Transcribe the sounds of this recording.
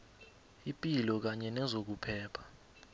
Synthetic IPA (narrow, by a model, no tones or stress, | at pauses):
ipʼilɔk̬aɲɛnɛzok̬upʰɛːpʰḁ